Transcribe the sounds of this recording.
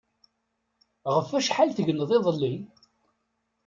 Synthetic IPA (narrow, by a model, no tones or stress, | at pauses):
ʁəfæʃħalθəʝənːəðˤeðˤəlːi